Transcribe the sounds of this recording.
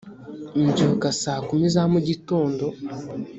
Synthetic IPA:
n̩d͡ʒokasaːkumizamuɟito̞ːndo

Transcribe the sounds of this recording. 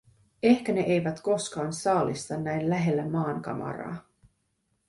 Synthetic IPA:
e̞hkæne̞ʔejʋæt̪ko̞skɑːnsɑːlist̪ɑnːæjnlæɦe̞lːæmɑːŋkɑ̰mɑ̰rɑ̰ː

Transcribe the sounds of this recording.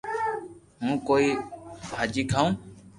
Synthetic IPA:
mũːkoːiːbʱaːd͡ʒiːkʰaːũː

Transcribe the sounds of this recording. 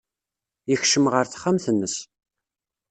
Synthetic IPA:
içʃəmʁəɾθχːamθənːəs

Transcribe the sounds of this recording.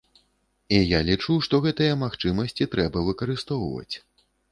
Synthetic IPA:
ijalʲit͡ʂuʂt̪ɔɣɛt̪ɨjɐmaxt͡ʂɨmɐsʲt͡sʲit̪ɾɛbɐvɨkɐɾɨst̪ɔwvɐ̰t͡sʲ

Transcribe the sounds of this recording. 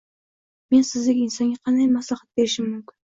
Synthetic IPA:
me̞nsɪzd̪ɪɡʲɪnsɒnɡʲaqʰɑnd̪ajmaslˠɑχat̪̚beɾɪʃɪmːʊmkʲʰɪn

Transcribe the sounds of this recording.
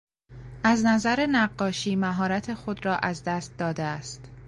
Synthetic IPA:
ʔæznæzæɾe̞næɢːɒːʃiːmæɦɒːɾæt̪ʰe̞xod̪ɾɒːʔæzd̪æːst̪̚d̪ɒːd̪eæst̪

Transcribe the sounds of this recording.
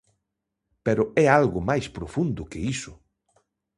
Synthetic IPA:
peɾʊɛalɣʊmajspɾofund̪ʊkɪisʊ

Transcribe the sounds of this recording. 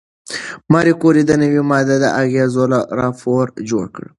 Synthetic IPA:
mɑɾikoɾid̪ənəwimɑd̪ad̪ə̰ʔaɣezolaɾɑfoɾd͡ʒoɽkə̰ɽ

